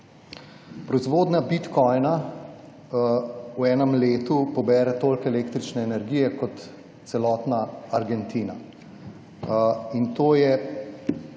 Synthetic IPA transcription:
pɾɔizʋoːd̪nabit̪kɔjna | uɛːnəmleːt̪upɔbɛːɾɛt̪oːlkɛːleːkt̪ɾit͡ʃnɛːnɛɾɡiːjɛkɔt̪ | sɛlɔːt̪naːɾɡɛnt̪iːna̰ | int̪oːjɛ

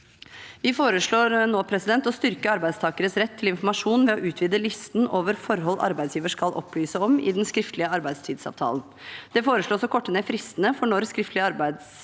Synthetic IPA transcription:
ʋɪfoːɾəʂɭoːɾnoːpʰɾɛsɪd̪ɛnt̪ɔst̪ʏɾkəɑɾbæɪd̪st̪ʰɑːkəɾəsɾɛt̪ʰːɪlɪnfɔɾmɑʂuːnʋɛɔʔʉːt̪ʰʋiːd̪əlʏst̪noːʋəɾfɔɾɦɔlːʔɑ̰ɾbæɪsjiːʋəʂkɑlʔɔ̰pʰːlyːsəɔmɪ̰d̪ɛnskɾɪft̪lɪəɑɾbæɪd̪st̪ʰiːd̪sɑ̰ːʋt̪ʰɑ̰ːlən | d̪̥ɛfoːɾəʂɭoːsɔkʰɔʈːəneːfɾɪst̪ənəfɔɳɔɾskɾɪft̪lɪəɑɾbæɪd̪s

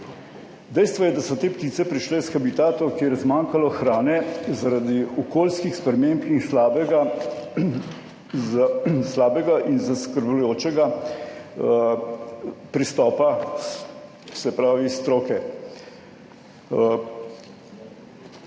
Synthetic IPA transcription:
d̪ɛjst̪ʋɔjɛd̪asɔt̪eːpt̪iːt̪sɛpɾiʃleːsxabit̪aːt̪ɔkeːɾɛzmaːŋkalɔxɾaːnɛzaɾad̪iɔkoːlskixspɾɛmeːmpnixbɡ | slaːbɛɡaʔinzaskəɾblujoːt͡ʃɛɡa | pɾist̪ɔːpa | sɛpɾaːʋist̪ɾoːkɛ

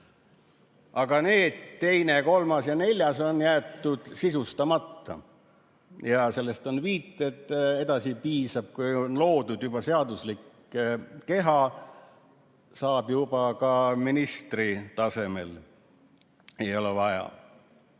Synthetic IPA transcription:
ʔɑɡ̥ɑne̞ːd̪̥t̪e̞jne̞ko̞lmɑsjɑne̞lʲjɑso̞njæːt̪ːud̪̥sisust̪ɑmɑt̪ːɑ̰ | jɑse̞lːest̪o̞nviːt̪ːˑe̞t̪ːe̞d̪ɑsipiːsɑb̥̚kujonlo̞ːd̪ud̪jubɑseɑd̪uslikː | ke̞ɦɑ | sɑːbjub̥ɑkɑminist̪rit̪ɑse̞me̞̰l | e̞jo̞levɑjɑ̰

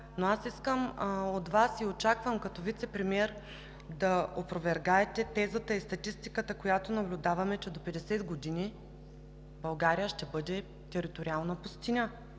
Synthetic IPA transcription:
noasiskəmot̪vasiot͡ʃakvəmkɐt̪ovit̪sɛpɾɛmiɛɾ | d̪ɐopɾovɛɾɡaɛt̪ɛt̪ɛzət̪əist̪ɐt̪ist̪ikət̪əkojat̪onɐblʲʊd̪avɐmɛt͡ʃɛd̪opɛd̪ɛsɛd̪ɡod̪ini | bɐlˠɡaɾijəʃt̪ɛbɤd̪ɛ | t̪ɛɾit̪oɾialˠnəpʊst̪inə

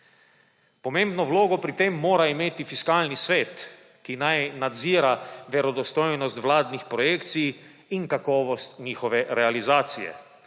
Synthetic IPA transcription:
pɔmẽmbnɔwloːɡɔpɾit̪emːoːɾaimeːt̪ifiskaːlnisʋeːt̪ | kinajnad̪ziːɾaʋɛɾɔd̪ɔst̪ɔjnɔst̪ʋlaːd̪nixpɾɔjeːkt̪sijː | nkakɔːʋɔst̪ɲiːxɔʋɛɾɛalizaːt̪sijɛ̰

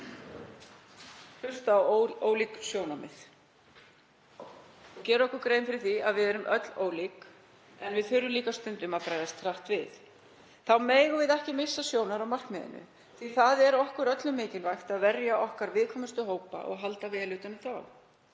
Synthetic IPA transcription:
hʏst̪aːwoːwliksjoːwnamɪ̰θ | cɛːɾɔhkʏɾkɾejnfɪɾɪθiaðvɪðɛɾʏmʔœt̪l̥oːwlik | ɛnvɪðθʏɾʏmliːkast̪ʏnt̪ʏmaðfɾajðast̪ʰɾaht̪vɪðθ | θawmeːjɣʏvɪðɛhcɪmɪsːasjoːwnaɾawmar̥kmɛðɪ̰nʏ̰ | θiθaðɛɾɔhkʏɾœt̪lʏmɪːcɪlvajxt̪aðvɛɾjaʔɔhkaɾvɪðkʰɔːmʏst̪ʏɦoːwpa̰ʔɔ̰ɣɦalt̪avɛːlʏt̪ʏnʏθaw

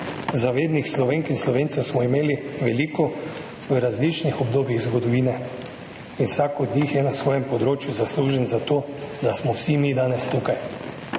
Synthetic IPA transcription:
zaʋeːd̪nixslɔʋeːŋkinslɔʋeːnt̪ɛwsmɔimeːliʋɛliːkɔ | ʋəɾazlit͡ʃnixɔbd̪oːbjiɣzɡɔd̪ɔʋiːnɛ | insakɔd̪nixjɛnasʋɔːjɛmpɔd̪ɾoːt͡ʃjuzasluːʒɛnzat̪oː | d̪asmɔwsimid̪aːnɛst̪ukaj

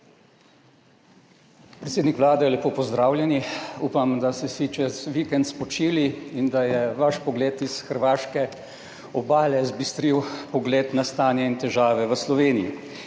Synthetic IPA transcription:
pɾɛt̪seːd̪nikʋlaːd̪ɛjɛlɛpoːpɔzd̪ɾaːwlʲjɛniuːpamd̪asɛsit͡ʃɛsʋikɛnt̪spɔt͡ʃiːliind̪ajɛʋaʃpɔɡleːt̪isxəɾʋaːʃkɛ | ɔbaːlɛzbist̪ɾiwpɔɡleːt̪nast̪aːnjɛint̪ɛʒaːʋɛʋəslɔʋeːnijḭ

